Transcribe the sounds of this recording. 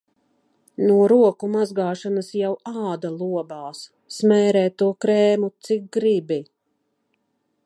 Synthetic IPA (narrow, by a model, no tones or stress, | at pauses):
nuɔɾuɔkumazɡaːʃanəsjawaːd̪alˠuɔbaːsː | mɛːɾɛːt̪ːuɔkɾɛːmut̪sik̚ɡɾibi